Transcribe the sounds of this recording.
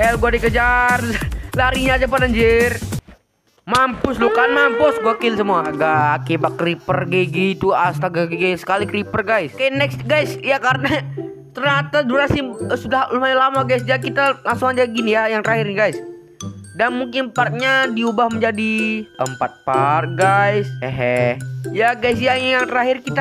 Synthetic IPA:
ɛlɡuadikəd͡ʒarlaɾiɲaːd͡ʒapanaɲd͡ʒɪr | mampʊslukanmampʊsɡuakɪlsəmuaɡaːkibat̪̚kɾipərɡeɡit̪uast̪aɡaɡiɡɛsə̥kalikɾipərɡajskajanɛksɡajsjakaɾəna | t̪ərɲat̪aduɾasisudahlumailamaɡajs̬d͡ʒakit̪alaŋsʊŋad͡ʒaɡinijajaŋt̪əɾaɦɪrnɡajs | danmuŋkɪnpart̪̚ɲadiubahməɲd͡ʒadiəmpat̪̚parɡajsəɦɛjaɡajsjajaŋt̪əɾaɦɪrkit̪a

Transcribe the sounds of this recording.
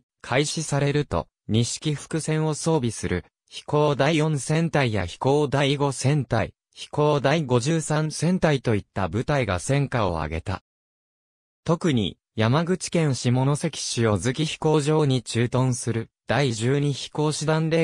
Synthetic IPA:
kʰaiɕisaɾe̞ɾɯ̟t̪o̞̰ | ɲ̟iɕi̥kʲiɸɯ̥kɯ̟sẽ̞ɰ̃o̞so̞ːbʲisɨɾɯ̟ | çi̥ko̞ːd̪aijõ̞ɰ̃sẽ̞nt̪aija̰çi̥ko̞ːd̪aiɡo̞sẽ̞nt̪aḭ | çi̥ko̞ːd̪aiɡo̞ʑɨːsãnsẽ̞nt̪ait̪o̞it̪ːabɯ̟t̪aiɡa̰sẽ̞ŋkao̞̰a̰ɡe̞t̪a̰ | t̪o̞kɯ̟ɲ̟ḭ | jamaɡɯ̟t͡ɕi̥kẽ̞ɰ̃ɕimo̞no̞se̞kʲi̥ɕio̞zɨkʲiçi̥ko̞ːʑo̞ːɲ̟it͡ɕɨːt̪õ̞ɰ̃sɨɾɯ̟d̪̥aiʑɨːɲ̟içi̥ko̞ːɕid̪ãnɾe̞

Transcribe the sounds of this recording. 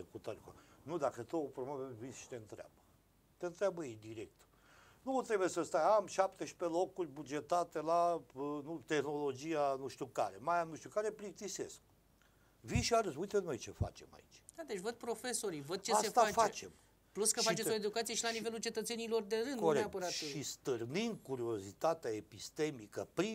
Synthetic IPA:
ekut̪aɾʲka̰nud̪akət̪oopɾobabevinsʃi̥t̪eɨnt̪ɾea̰bə | t̪eɨnt̪ɾʲabəjejd̪iɾḛk̚t̪ə | nut̪ɾe̞bujesəst̪ajamʃapt̪eʃi̥pelo̞kurʲbud͡ʒe̞t̪at̪elanut̪e̞xno̞lo̞d͡ʒijanuʃt̪ʲukaɾemajamnuʃt̪iukaɾepɾik̚t̪ise̞̰sk̚ | viʃiaɾəzujt̪eno̞jt͡ʃe̞̰fa̰t͡ʃe̞̰ma̰it͡ʃʲd̪ad̪et͡ʃʲvəd̪̚pɾo̞fe̞so̞ɾivəd̪̚t͡ʃeaset̪afat͡ʃe̞̰m | pluskəfʃait͡ʃeoed̪ukat̪sije̞ʃilanivelult͡ʃe̞t̪ət̪senilo̞rd̪e̞ɾɨnd̪oɾeatpəɾat̪ist̪ɨrnin̚kuɾio̞zit̪at̪eaepist̪e̞mikəpɾi

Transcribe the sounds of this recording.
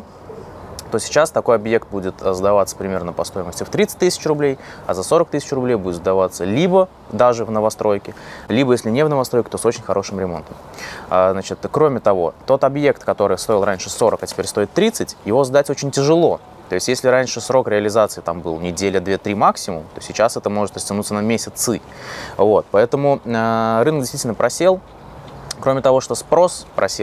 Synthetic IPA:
t̪osʲɪ̥t͡ɕast̪ɐko̞jɐbje̞kt̪̚budʲɪt̪zd̪ɐvat̪sə̥pɾʲɪmʲe̞rnəpɐst̪o̞ɪməsʲtʲɪft̪ɾʲit̪sɨ̥t̚ʲt̪ɨsʲɪ̥t͡ɕrʊblʲejɐzɐso̞ɾək̚t̪ɨsʲɪt͡ɕrʊblʲejbudʲɪt̪zd̪ɐvat̪səlʲibə | d̪aʐɨvnəvɐst̪ɾo̞jkʲɪlʲibəjesʲlʲɪnʲevnəvɐst̪ɾojkʲɪt̪o̞so̞t͡ɕɪnʲxɐɾʔo̞ʂɨmɾʲɪmo̞̰nt̪əm | əznat͡ɕɪt̪kɾo̞mʲɪt̪ɐvo̞̰t̪o̞t̪ɐbje̞kt̪kɐt̪o̞ɾɨjst̪o̞ɪlˠɾanʲʂɨso̞ɾəkɐtʲɪpʲeɾʲst̪o̞ɪt̪ːɾʲit̪sɨtʲjɪvo̞zd̪atʲot͡ɕɪnʲtʲɪʐɨlˠo̞ | t̪o̞ɪsʲtʲjesʲlʲɪɾanʲʂɨsɾo̞kɾʲɪɐlʲɪzat̪sɨɪt̪ambɨlˠnʲɪdʲelʲəd̪vʲe̞t̪ɾʲimaksʲɪmʊ̰mt̪o̞sʲɪt͡ɕasɛt̪əmo̞ʐɨt̪rəsʲtʲɪnut̪sənɐmʲesʲɪt̪sɨ | vo̞t̪̚pɐɛt̪əmʊəɾɨnək̚dʲɪsʲt̪vʲitʲlʲnəpɾɐsʲe̞lˠ | kɾo̞mʲɪt̪ɐvo̞ʂt̪o̞spɾo̞spɾʔɐsʲe

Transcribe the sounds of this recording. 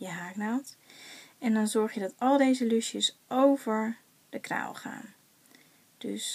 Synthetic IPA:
jəɦaːknawt | ɛndɑnzɔɹχjədɑtɑlˠdejzəlyʃjəsʔowvəɹ | d̥əkra̰wlˠχa̰ːn | d̥ɵ̰s

